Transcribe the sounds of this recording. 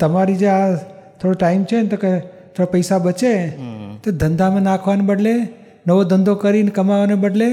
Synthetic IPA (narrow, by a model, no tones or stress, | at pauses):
t̪əmaɾid͡ʒea | t̪ʰoɽoʈaimt͡ʃʰent̪oket̪ʰoɽapəjsabət͡ʃet̪od̪ənd̪ʱamẽnakʰʋanebəɖle | nəʋod̪ənd̪ʱokəɾinkəmaʋanebəɖle